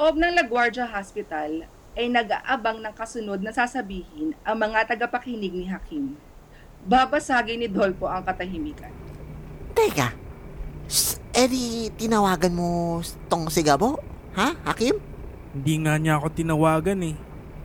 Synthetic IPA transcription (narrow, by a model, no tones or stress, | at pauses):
oʔob̚nɐŋlɐɡwaɹd͡ʒɐɦaspɪt̪ɐl | ʔɐjnɐɡaʔabaŋnɐŋkɐsʊnod̪̚nɐsaːsɐbiːhɪnʔɐŋmɐŋat̪ɐɡɐpɐkiːnɪɡ̚nɪɦakʰim | baːbɐsaːɡɪnɪd̪olpo̞ʔɐŋkɐt̪ɐɦimiːkɐ̰nt̪ɛka | sʔɛɾit̪ɪnɐwaːɡɐnmo̞t̪oŋsɪɡabo̞ | hahakim | hɪnd̪iŋaɲaʔɐko̞t̪ɪnɐwaːɡɐnɛ